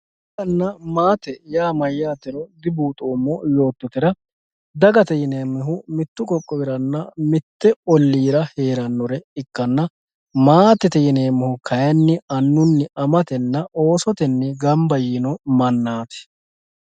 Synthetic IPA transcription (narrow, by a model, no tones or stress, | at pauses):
kɐnːɐmaːt̪ɛjaːmɐjːaːt̪ɛɾɔd̪ɪbuːt̪ʼoːmːɔjo̞ːt̪ːɔt̪ɪɾɐ | d̪ɐɡɐt̪ɛjɪneːmːɛɦʊmɪt̪ːʊkʼɔkʼːɔbɪɾɐnːɐmɪt̪ːɛɔlːiːɾɐhe̞ːɾɐnːɔɾɛɪkːɐnːɐ | maːt̪ːɛt̪ɛjɪne̞ːmːɛhʊkʰɐjɐnːɪɐnːʊnːɪɐmɐt̪ɛnːɐo̞ːsɔt̪ɛnːɪɡɐmbɐjiːnɔmɐnːaːt̪ɛ̥